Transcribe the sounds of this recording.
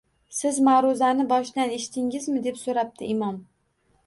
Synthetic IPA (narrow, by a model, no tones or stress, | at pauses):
sɪzmaɾʊzanɪbɒʃd̪aneʃɪ̥t̪ʰɪŋɪzmɪd̪e̞psoɾap̚t̪ʰɪɪmɒm